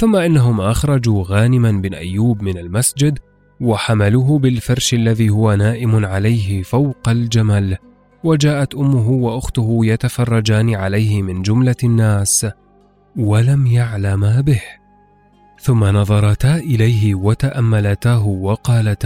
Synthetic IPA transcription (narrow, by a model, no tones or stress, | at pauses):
θʊmːaʔɪnːaɦʊmʔaxɾˤɑd͡ʒuːɣaːnɪmanbɪnʔa̰jːuːbmɪnalmasd͡ʒɪd̪ | waħamaluːɦʊbɪlfɑɾˤʃʔalːaðiːhʊwanaːʔɪmʊnʕalajɦɪfawqald͡ʒamaːl | wad͡ʒaːʔat̪ʔʊmːʊɦʊwaʔʊxt̪ʊɦʊjat̪afɑrˤːɑd͡ʒaːnɪʕalajhɪmɪnd͡ʒʊmlanːaːs | walamjaʕlamabɪh | θʊmːanɑðˤɑɾˤɑt̪aːʔɪlajɦɪwat̪aʔamːalat̪aːɦʊwɑqɑːlat̪